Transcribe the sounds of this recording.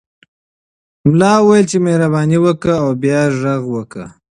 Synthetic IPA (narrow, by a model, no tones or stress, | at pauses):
mlɑwwajəlt͡ʃemehɾaβɑniwəkəawbjɑʒaɣwəkə̰